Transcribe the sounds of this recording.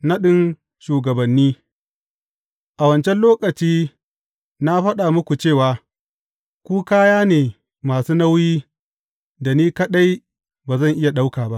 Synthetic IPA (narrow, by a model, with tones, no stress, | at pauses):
na˦ɗɪ˦n | ʃuː˨ɡɐ˨bɐ˨nːiː˦ | ʔa˨wɐ˨nt͡ʃɛ˦nloː˦kʼɐ˨t͡ʃiː˦ | na˦ɸɐ˦ɗaː˨mʊ˦kʷu˨t͡ʃeː˦˨waː˨ | kʷuː˦kaː˦jaː˦neː˨ | maː˨suː˦na˦wjiː˦ | da˨niː˦kɐ˦ɗa˦j | baː˨zɐ˦˨ŋʔɪ˦ja˨ɗa˦wkaː˨ba˦ʔ